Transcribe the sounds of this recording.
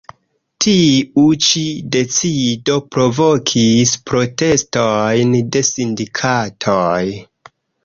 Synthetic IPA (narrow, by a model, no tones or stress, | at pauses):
tʰiut͡ʃide̞t͡sido̞pɾo̞vo̞kʰispɾo̞te̞stojnde̞sindikʰatʰoj